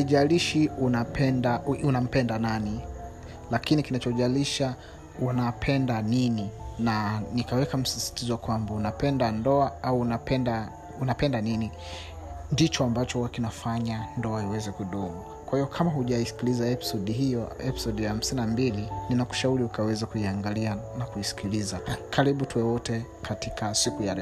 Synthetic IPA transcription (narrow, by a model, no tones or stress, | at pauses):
aiʄaliʃiunapʰɛndaunam̩pɛndanani | lakinikinat͡ʃɔʄaliʃa | unapʰɛndanininanikawɛkam̩sisi̥tizɔkwambaunapɛndandɔaauːnapɛnda | unapɛndanini | ndit͡ʃɔambat͡ʃɔuakinafaɲandɔaiwɛzɛkuɗumu | kwahiɔkʰamahuʄaisi̥kilizaɛpi̥sɔɗihijɔɛpi̥sɔdijaham̩sininambilininaku̥ʃauɾiukawɛzakuiaŋɡalianakuisi̥kilizakʰaɾiɓutuwɛwɔtɛ | katikasikujaɾɛ